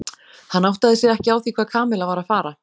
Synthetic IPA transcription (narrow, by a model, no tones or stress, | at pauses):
hanːawht̪aðɪsjɛðɛhcɪawθikʰvaːðkʰaːmɪlavaɾaðfaːɾa